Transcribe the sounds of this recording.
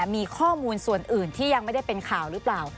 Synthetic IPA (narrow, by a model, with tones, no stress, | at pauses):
miː˧kʰɔː˥˩muː˧nsu˨˩ənʔɯː˨˩nt̪ʰiː˥˩ja˧ŋma˥˩jda˥˩jpe˧nkʰaː˨˩wɾɯ˦˥plaː˨˩w